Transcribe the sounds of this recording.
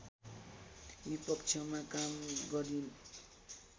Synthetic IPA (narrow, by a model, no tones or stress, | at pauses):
bipʌkt͡ʃʰʌmakamɡʌɾin